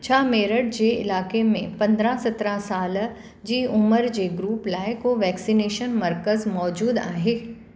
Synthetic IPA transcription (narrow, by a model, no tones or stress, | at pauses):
t͡ɕʰaːmeːɾəɽ̚d͡ʑeːɪ̰laːkemẽpɐ̃nd̪ɾãsɐt̪ɾãsaːl | d͡ʑiːʊməɾd͡ʑeːɡɾuːplaːɪkoʋɛːksineːʃənmɐɾkəzmɔːd͡ʑuːd̪a̰ːɦeː